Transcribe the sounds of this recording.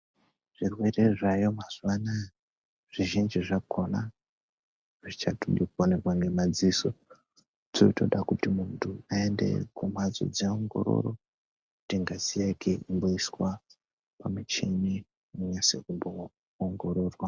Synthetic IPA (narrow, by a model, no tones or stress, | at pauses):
ʐ̥irwe̞re̞ʐajo̞maz̥uwana | ʐ̥iʒind͡ʒiʐakʰo̞na | ʐit͡ʃatoɗikuone̞kwaŋɡe̞mad͡ziso | tʰoito̞ɗakutimuntʰuaende̞̰kʰumad͡zo̰d͡zaoŋɡo̞̰ɾo̞̰ro̞ | kutiŋɡazijakʰeʔimboiswa | pamut͡ʃemi | muɲase̞̰kumbo̞ː | ŋɡo̞ɾo̞ːrwa